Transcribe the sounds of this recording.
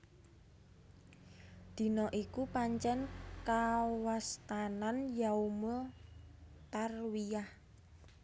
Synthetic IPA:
d̪̥i̤nɔʔikupaɲt͡ʃɛnkawast̪ananjaumo | t̪arwijah

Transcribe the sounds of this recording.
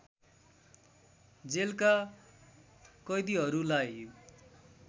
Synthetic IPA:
d͡zelka | kʌjd̪iɦʌɾulaj

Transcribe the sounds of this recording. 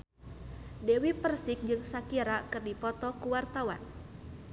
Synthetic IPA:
dɛwipərsɪk̚d͡ʒɨŋsakiɾakɨrdipɔt̪ɔkuwart̪awa̰n

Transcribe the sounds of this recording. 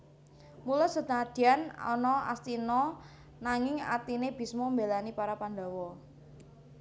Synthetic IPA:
mulɔsət̪aad̪̥iana̰nɔa̰st̪inɔ | naŋɪŋa̰t̪ineb̥i̤smɔmbelanipaɾapand̪a̤wɔ

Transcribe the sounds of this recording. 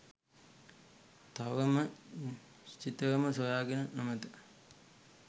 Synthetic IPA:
t̪aʋəmə | t͡ʃit̪əʋəməsojaːɡenənomɐt̪ə

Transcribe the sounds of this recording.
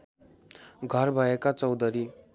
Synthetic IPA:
ɡʱʌrbʱʌekat͡sʌwd̪ʱʌɾi

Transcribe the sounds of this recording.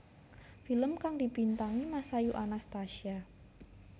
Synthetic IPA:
filəmkaŋdipint̪aŋimasajuʔanast̪aʃia

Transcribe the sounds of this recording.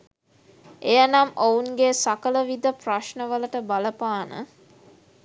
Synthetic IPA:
ejənɐmʔounɡeːsakələʋid̪əpraʃnəʋələʈəbaləpaːnə̰

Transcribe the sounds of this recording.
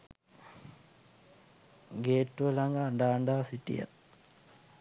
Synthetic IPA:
ɡeːʈːuɐlaŋɡaːɳɖaːɳɖaːsitːḭja̰

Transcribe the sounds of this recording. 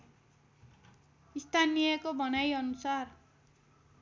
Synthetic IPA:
ist̪ʰanijʌkobʌnajʌnusar

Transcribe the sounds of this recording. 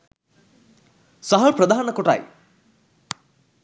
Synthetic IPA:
sɐɦɐpɾɐd̪ʱaːnɐkoʈa̰j

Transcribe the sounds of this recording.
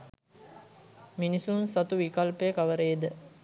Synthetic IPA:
minisunsat̪uʋikɐlpejəkaʋəɾejed̪ə

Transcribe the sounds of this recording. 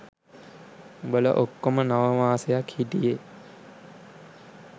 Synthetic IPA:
bələ̰ʔokːomənaʋəmaːsejakhitije

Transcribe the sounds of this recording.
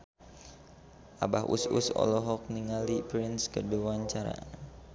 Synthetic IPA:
ʔabaɦʔṵsṵsɔ̰lɔɦɔk̚niŋalipɾinskəduwaɲt͡ʃaɾa̰

